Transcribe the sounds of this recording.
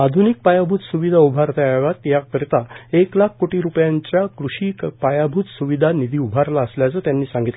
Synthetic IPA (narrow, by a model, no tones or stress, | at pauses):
ad̪ʱunik̚pajabʱut̪suʋid̪ʱaubʱaɾt̪aaʋat̪jakəɾit̪aeklakʰkoʈiːɾupjãɲt͡ɕjakɾuɕiːkpajabʱuːt̪suʋid̪ʱanid̪ʱiːubʱaɾlaəsljat͡səːt̪janːiːsãŋɡit̪l